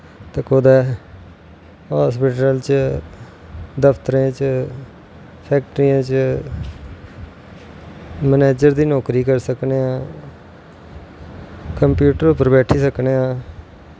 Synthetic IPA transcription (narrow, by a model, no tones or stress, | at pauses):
t̪ekod̪ɛː | ɦaːspɪʈəlt͡ʃ | d̪əpʰt̪əɾẽːt͡ʃ | pʰɛːk̚ʈəɾijãːt͡ʃ | məneːd͡ʒəɾd̪iːnɔːkɾiːkəɾsəkneːãː | kəmpjuːʈəɾʊpəɾbɛːʈʰiːsəkneːãː